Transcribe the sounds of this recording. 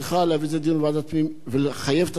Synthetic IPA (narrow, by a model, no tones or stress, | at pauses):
χaleavized̪invad̪at͡smimveleχajevt̪a